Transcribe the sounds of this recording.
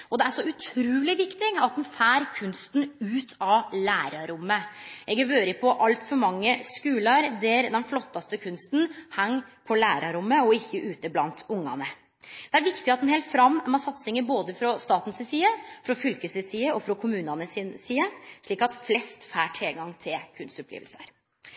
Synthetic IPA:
ɔd̪ɛæʂɔʉt̪ʰɾʉːlɪʋɪkt̪ɪɡɑt̪̚d̪ɛnfæːɾkʰʉnst̪n̩ʉːt̪ʰɑʋlæːɾɑɾʊmːəɛɡəʋøːɾəpʰɔʔɑlt̪fɔɾmɑŋːəskʉːləɾd̪æɾd̪ɛnflɔt̪ːɑst̪əkʰʉnst̪n̩hæŋːpʰɔlæːɾɑɾʊmːəɔɪçːəʔʉːt̪əblɑ̰nt̪ʊŋːɑ̰nə | d̪̥ɛæɾʋɪkt̪ɪɑt̪d̪ɛnhɛːlt̪fɾɑmːmɑsɑt̪sɪŋəboːd̪əfɾɔst̪ɑːt̪n̩sɪsiːəfɾɔfʏlkəsɪsiːəɔfɾɔkʰʊmʉːnɑnəsɪnsiːəʂɭiːkɑt̪flɛst̪fæːʈʰɪlɡɑŋt̪ʰɪlkʰʉnst̪ɔplḛːʋəlsə̰ɾ

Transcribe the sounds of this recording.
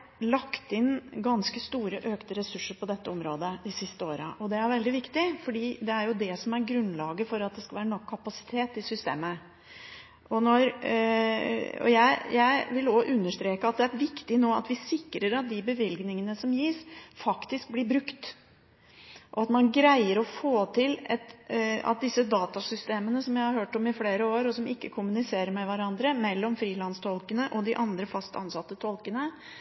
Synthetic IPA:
lɑkt̪ɪnɡɑnskəst̪uːɾəʔøːkt̪əɾɛsʉʂːəɾpɔd̪ɛt̪ːəɔmɾoːd̪əd̪ɪsɪst̪əoːɾəʔɔd̪ɛæɾʋɛld̪ɪʋɪkt̪ɪfɔɖiːd̪ɛæɾjʊd̪ɛsɔmæɾɡɾʉnlɑːɡəfɔɾɑt̪̚d̪ɛskɑlʋæːɾənɔkʰːɑpɑsɪ̥t̪ʰeːt̪ɪsʏst̪ḛːmə | ʔɔnɔɾ | ɔ̰jæɪjæɪʋɪlɔʔʉnːəʂt̪ɾeːkəɑt̪̚d̪ɛæɾʋɪkt̪ɪnoːɑ̰t̪ʋɪsɪkːɾəɾɑt̪̚d̪ɪbəʋɪlɡnɪŋənəsɔmjiːsfɑkt̪ɪsk̚blɪɾbɾʉkt̪ | ʔɔɑt̪mɑnɡɾæɪəɾɔfoːt̪ʰɪlɛt̪ɑ̰t̪̚d̪ɪsːəd̪ɑːt̪ɑsʏst̪eːmənəsɔmjæɪhɑɾhøːʈɔmɪfleːɾəoːɾɔsɔmɪkːəkʰʊmʉnɪseːɾəɾmɛʋæɾɑnd̪ɾəmɛlːɔmfɾiːlɑnst̪ʰɔlkənəʔɔd̪ɪʔɑnd̪ɾəfɑst̪ɑ̰nsɑt̪ːət̪ʰɔlkənə

